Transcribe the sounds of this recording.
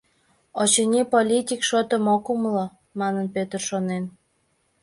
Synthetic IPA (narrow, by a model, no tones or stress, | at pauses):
ot͡ɕenʲipolʲit̪ʲikʃot̪ə̆mokumlo | mɑnənpøt̪ərʃonen